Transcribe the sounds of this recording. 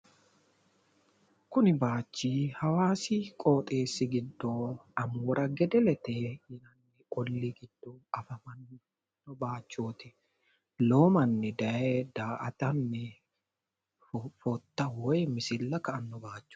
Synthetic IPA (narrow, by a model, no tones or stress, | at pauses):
kʊnɪbaːt͡ʃːiːhɐwaːsikʼoːt̪ʼe̞ːsːɪɡɪd̪ːɔɐmuːɾɐɡɛd̪ɛlɛt̪ehɪnɐnːɛʔɔlːiɡɪd̪̥ːɔɐfɐmɐnː | nːɔbaːt͡ʃːoːt̪ɪ | loːmɐnːɛd̪ɐjed̪aːʔɐt̪ɐnːɛ | fɔt̪ːɐwɔjmɪsɪlːɐkɐʔɐnːɔbaːt͡ʃːɔ̥